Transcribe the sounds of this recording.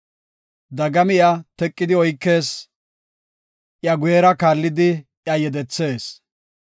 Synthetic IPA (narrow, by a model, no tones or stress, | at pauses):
d̪ɐɡɐmɪjat̪ɛkʼːɪd̪ɪɔjkːe̞ːs | ʔjɐɡʊjɛɾɐkaːlːɪd̪ɪ | jɐjɛd̪ɛt͡sːe̞ːs